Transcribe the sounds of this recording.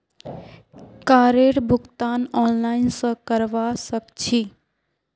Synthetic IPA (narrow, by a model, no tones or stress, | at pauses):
kaɾeɽbʱuɡt̪anɔnlaɪnsə̃kəɾʋasəkt͡ʃʰi